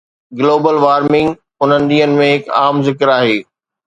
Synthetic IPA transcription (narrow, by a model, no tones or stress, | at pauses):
ɡɪloːbəlʋaːɾmɪ̃ŋɡ | ʊn̤ənɪ̆ɗ̪iːənɪ̆mẽɦɪka̰ːmzɪkəɾaːɦeː